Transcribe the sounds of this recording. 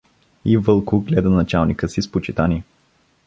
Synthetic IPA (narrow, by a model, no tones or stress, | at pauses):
ivɤlˠkʊɡlɛd̪ənɐt͡ʃalˠnikəsispot͡ʃit̪ani